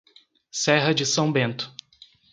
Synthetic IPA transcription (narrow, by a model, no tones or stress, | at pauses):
sɛɦɐd͡ʒɪsɐ̃w̃bẽnt̪ʊ̥